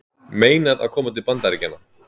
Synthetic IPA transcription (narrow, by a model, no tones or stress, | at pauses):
meːjnaða̰ðkʰɔːmat̪ɪlpant̪aɾɪcɪnːa